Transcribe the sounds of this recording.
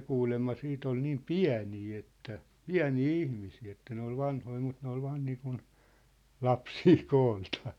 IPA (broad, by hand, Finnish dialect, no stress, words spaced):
kuːlemːɑ siːt ol niːm piæ̝niː etːæ piæ̝niː ihmisiː etːæ ne ol ʋɑnhoi mut ne ol ʋɑːn niːkun lɑpsiː koːltɑ̥ː